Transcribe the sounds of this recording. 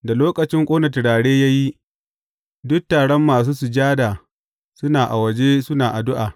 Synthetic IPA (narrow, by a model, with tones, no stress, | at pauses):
da˨loː˦kʼɐ˨t͡ʃɪ˦ŋkʷʼoː˦nɐ˨tɪ˨ɽaː˨ɽeː˦ja˦ji˦ | dʊ˦k̚tːaː˨ɽɔ˦mːaː˨s̬uː˦su˨d͡ʒaː˦da˨ | sʊ˦naː˨ʔa̰˨wɐ˨d͡ʒe˦sʊ˦naː˨ʔa˨dʊ˦ʔaː˨